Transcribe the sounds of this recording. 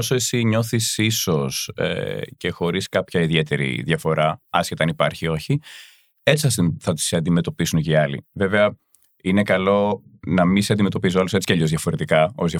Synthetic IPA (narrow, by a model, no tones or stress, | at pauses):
osoe̞siɲo̞θisiso̞sḛce̞xo̞ɾiskɐpçɐiðje̞t̪e̞ɾḭðʝɐfo̞ɾɐɐscet̪ɐnipɐɾçio̞çi | e̞t͡si̥θɐsθɐt̪u̥seɐnd̪ime̞t̪o̞pisunceiɐlḭve̞veɐ | inekɐlo̞nɐminseɐnd̪ime̞t̪o̞pis̬uɐluse̞t͡si̥cɐʎozðjɐfo̞ɾe̞t̪ikɐo̞zðjɐ